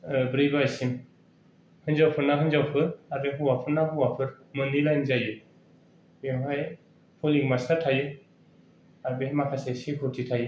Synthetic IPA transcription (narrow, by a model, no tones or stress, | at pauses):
bɾijbaajsim | hɯnzawpʰɯɾnaɦɯnzawpʰɯɾaɾbeɦuwapʰɯɾnahɯwapʰɯɾ | mɯnilajnzajɯ | beŋɦaj | pʰɔliŋmasatʰajɯ | aɾbemakʰasesikʰutʰitʰajɯ